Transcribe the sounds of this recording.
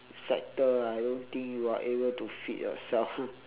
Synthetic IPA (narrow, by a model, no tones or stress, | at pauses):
sɛ̰k̚təajdõnt̪ĩŋkjuaʔebəltufḭtjɔ̰sɛlf